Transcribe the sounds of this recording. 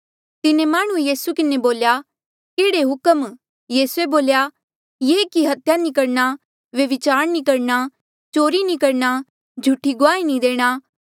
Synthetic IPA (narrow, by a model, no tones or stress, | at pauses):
t̪ɪnemaːɽ̃ũejiːsukɪneboːlja | keːɽeɦʊkəm | jiːsueboːlja | jekiɦɐt̪ʰjanĩkɐɽna | ʋɐʋɪt͡ʃaːɾnikɐɽna | t͡ʃoːɾinĩkɐɾna | d͡ʒʱuʈːiɡʊaːinĩd̪eːɽ̃a